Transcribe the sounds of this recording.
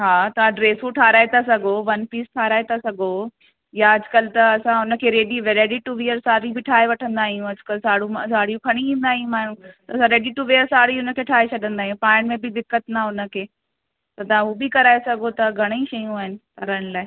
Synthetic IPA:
ɦaːt̪ɐʋ̤ãɖɾeːsuʈʰaːɾaːet̪ʰasɐɡʱoʋɐnfiːsʈʰaːɾaːet̪ʰasɐɡʱo | jaɐd͡ʑʊkəlt̪ɐɐsãʊnə̆kʰeːɾeːɖiʋɾeːɖiʈuʋiəɾsaːɾibɪʈʰaːeʋɐʈʰə̃nd̪aːɦijũɐd͡ʑʊkəlsaːɽũmsaːɽijũkʰɐɽ̃iʋĩːnd̪aːɦijũmaːɳ̤̃ũt̪ɐɐsãɾeːɖiʈuʋiːəɾsaːɽiʊnə̆kʰeːʈʰaːɦet͡ɕʰɐɗə̃nd̪aːɦijũpaːɪɽ̃mẽbɪd̪ɪkət̪naʊnə̆kʰeː | t̪ɐt̪ɐʋ̤ãuobɪkɐɾaːesɐɡʱot̪ɐɡʱɐɽ̃eiʃɐjũaːɦɪnɪ̆ʈʰɐɾaːɽ̃laːe

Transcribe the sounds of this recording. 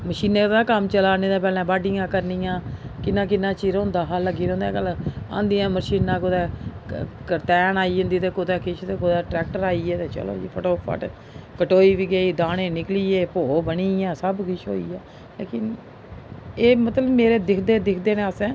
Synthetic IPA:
məʃiːneːt̪aːkəmt͡ʃəlaːneːd̪ãːpɛːlɛ̃ːbaːɖɪjãːkəɾniːjãːkɪnːãːk̬ɪnːãːt͡ʃiːɾʊ̃nd̪aːɦaːləɡiːɾ̃ːnd̪ãːkəlã̰ːnd̪ijãːməʃiːnãːkod̪ɛː | kət̪ɛːnaːiːə̃nd̪iːt̪eːkod̪ɛːkʰɪt͡ʃʰt̪eːkod̪ɛːʈɾɛːk̚ʈəɾaːiːeːt̪eːt͡ʃə̰lo̰ːiːpʰo̰ːʈoːpʰə̰ʈ | kəʈoːiːʋiːɡeːiːd̪aːnẽːnɪkliːeːpoːbəniːjãːsəbkɪʃʰo̰ːḭːaː | lḛːkɪn | eːmət̪ləbmeːɾeːd̪ɪkʰd̪eːd̪ɪkʰd̪eːneəsɛ̃ː

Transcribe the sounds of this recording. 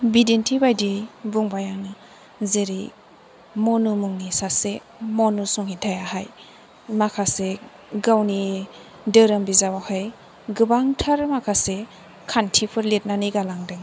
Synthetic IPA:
bidentʰibajdijbuŋbajaŋnɯ | zeɾi | mɔnumuŋnisase | mɔnusuŋhitʰajaɦaj | makʰase | ɡawni | dɯɾɯmbizawahaj | ɡɯbaŋtʰaɾmakʰase | kʰantʰipʰɯɾlet̚naniɡalaŋdɯŋ

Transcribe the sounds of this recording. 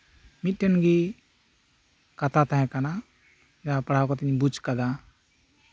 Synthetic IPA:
mit̪̚ˀʈɛnɡi | kat̪at̪aɦɛ̃kana | d͡ʒapaɽ̤awkɔt̪ɛɲbut͡ʃkad̪a

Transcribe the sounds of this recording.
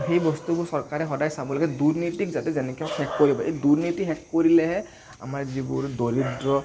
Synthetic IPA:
xejbɔstubʊsɔɹkaɹɛxɔdajsabɔlaɡɛduɹnitikzatɛzɛnɛkʰiɔkhɛkːoɹibɔʔeduɹnitixɛkːoɹilɛɦɛ | a̰maɹzibʊɹdoɹidɹɔ

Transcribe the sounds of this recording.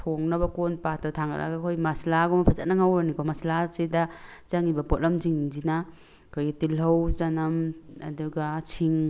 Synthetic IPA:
tʰoŋnɐbɐkonpatɔtʰaŋa̰lʔa̰ɡakʰojmaslaɡomɐpʰaza̰t̚nɐŋawɾanikɔmɐslasedazaŋibɐpɔt̚lɐmziŋzina | kʰojɡtilɦɐwzanɐmɐ̰duɡat͡ʃʰiŋ

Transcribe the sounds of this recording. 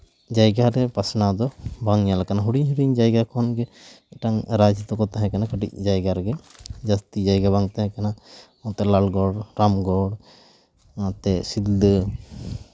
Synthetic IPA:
d͡ʒajɡaɾɛpasnad̪ɔbaŋjalakanaɦuɽiɲɦuɽiɲd͡ʒajɡakʰɔnɡɛ | ʈaŋɾad͡ʒət̪ɔkɔt̪aɦɛ̃kanakəʈḭc̚d͡ʒajɡaɾɡɛd͡ʒast̪id͡ʒajɡabaŋt̪aɦɛ̃kana | ɔ̃t̪ɛlalɡɔɽɾamɡɔɽ | at̪ɛsid̪d̪ə

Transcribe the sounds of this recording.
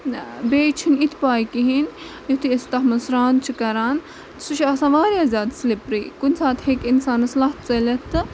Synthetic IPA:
beːt͡ʃʰinit̪ʰpaːjkiɦinjot̪ʰiest̪ɐɦmɐsɾaːnt͡ʃʰikɐɾaːn | suʃʰɐsãːʋaːɾiɐzʲaːd̪slipɾḭːkunʲsaːt̪hekinsaːnɐslaɦt͡sɐlʲɐt̪ɨ

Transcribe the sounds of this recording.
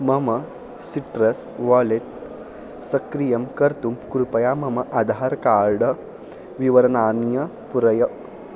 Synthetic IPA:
mɐmɐ | siʈɾɐs | ʋaːleʈ | sɐkɾijɐmkɐɾt̪umkuɾupɐjaːmɐmɐʔɐd̪ʱaɾkaːɾɖɐ | ʋiʋɐɾɐnaːnjɐ | puɾɐjɐ

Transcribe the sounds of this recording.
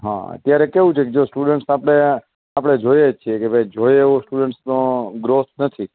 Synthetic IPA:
ɦã̰ə̰t̪jaɾekeʋũt͡ʃʰeked͡ʒosʈuɖəɳʈsapɽ̃e | apɽ̃ed͡ʒojet͡ʃʰiekebʱəjd͡ʒojeosʈuɖəɳʈsnõɡɾot̪nət̪ʰi

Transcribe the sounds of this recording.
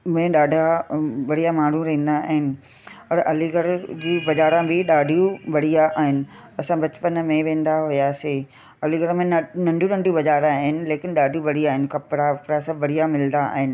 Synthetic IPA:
mẽɗaːɖʱaʋɐɽ̤ijamaːɳ̤ũɾɐɦĩːnd̪aaːɦɪnɪ̆ | pɐɽʔɐliɡəɾd͡ʑiːbɐd͡ʑaːɾãbɪɗaːɖʱijũʋɐɽ̤ijaʔaːɦɪnɪ̆ | ɐsãbɐt͡ɕpənmẽʋẽːn̆d̪aɦʊjaːseː | ɐliɡəɾmẽnɐ̃ɳɖʱũnɐ̃ɳɖʱjũbɐzaːɾãaːɦɪnɪ̆leːkɪnɗaːɖʱijũʋɐɽ̤iaːɦɪnɪ̆kɐpɾaɐpɾasãbɐɽ̤ijamɪlnd̪aa̰ːɦɪnɪ̆

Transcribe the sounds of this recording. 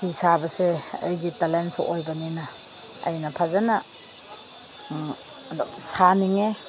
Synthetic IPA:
isabɐseːjɡitalentsʔojbɐnina | ɐ̰jnɐpʰazana | saniŋe

